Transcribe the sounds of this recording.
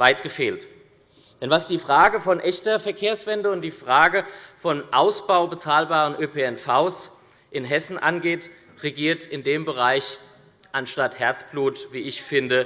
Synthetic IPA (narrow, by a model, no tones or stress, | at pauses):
vaɪtɡ̥əfeːlt | d̥ɛnvasd̥iːfʁ̥aːɡəfɔnʔɛçtɐfɛɐkʰeːɐsv̥ɛndəʊntd̥iːfʁ̥aːɡəfɔnʔaʊsb̥aʊbət͡saːlbaːʁənʔøpʰeːɛnfaʊs | ʔɪnɦɛsn̩ʔa̰nɡeːt | ʁeɡiːɐtɪndeːmbəʁaɪç | ʔanʃtathɛɐt͡sb̥luːtv̥iːɪçfɪndə